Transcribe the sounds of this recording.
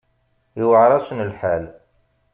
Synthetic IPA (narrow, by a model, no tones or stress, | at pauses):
iwəʕɾˤɑsənəlħal